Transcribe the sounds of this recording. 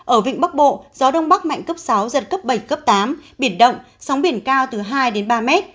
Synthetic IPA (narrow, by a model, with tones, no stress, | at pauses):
ʔəː˧˩vḭ˧˨ŋ̟ɓa˦˥k̚ɓo̰˧˨zɔ˨˦ɗə˧wŋ͡mɓa˦˥k̚ma̰˧˨jŋ̟kə˦˥p̚sa˨˦wzə˨˩t̚kə˦˥p̚ɓə˧˩jkə˦˥p̚t̪aː˨˦mɓi˧˩ənɗə̰˧˨wŋ͡m | sa˨˦wŋ͡mɓi˧˩ənkaː˧wt̪ɨ˨˩ɦaː˧jɗe˨˦nɓaː˧mɛ˦˥t̚